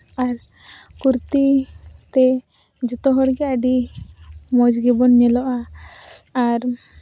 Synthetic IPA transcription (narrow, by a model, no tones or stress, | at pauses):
aɾ | kuɾt̪it̪ɛ | d͡ʒɔt̪ɔɦɔɽɡɛaɖi | mɔd͡ʒɡibɔnɲɛlɔʔaː | ɾ